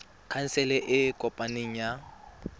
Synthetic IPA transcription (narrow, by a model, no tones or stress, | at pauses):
kʰan̩sɛlɛʔɪkʼɔpʼaneŋ̩ja